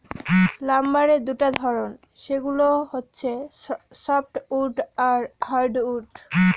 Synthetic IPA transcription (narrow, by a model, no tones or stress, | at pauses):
lamːaɾed̪uʈad̪ʱɔɾon | ʃeɡuloɦotːɕʰe | sɔp̚ʈuʈaɾhaɾɖuɖ